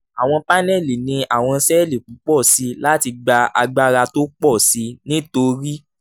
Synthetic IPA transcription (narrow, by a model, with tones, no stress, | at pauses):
a˨w̃ɔ̃˧pa˦nɛ˦˨li˨nĩ˧a˨w̃ɔ̃˧˦sɛ˦˨li˦˨kũ˨˦k͡pɔ˦˨si˧la˦ti˧ɡ͡ba˧a˧ɡ͡ba˦ɾa˧to˦k͡pɔ˦˨si˧˦nĩ˦to˧˦ɾi˦